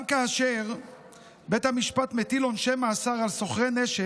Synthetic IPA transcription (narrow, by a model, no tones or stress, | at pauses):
mkaːʃeʁ | bet̪hamiʃpat̪met̪ilonʃemaːsaʁalso̞χʁe̞neʃe